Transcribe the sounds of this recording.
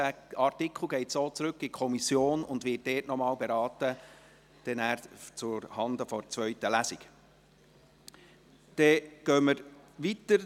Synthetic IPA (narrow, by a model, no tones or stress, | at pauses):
æɑrtikχl̩ˠɡɛɪtsoːt͡sɾɵkːɪkʰɔmisjoːnʊndʋɪːt̚dɛːtnɔmɑːlbeɾɑːt̪ə | d̥ɛnæːɾt͡sʊɾhɑndəfɔɾt͡sʋœʏtəlæsik | d̥ɛɡ̥œːməɾ | ʋitəɾ